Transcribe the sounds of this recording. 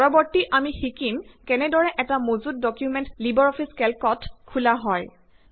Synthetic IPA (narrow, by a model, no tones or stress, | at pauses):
ɔɹɔbɔɹtiʔamixikimkɛnɛdɔɹɛʔɛtamozut̚dɔkjumɛntlibɔɹɔpʰiskɛlkɔtkʰulaɦɔj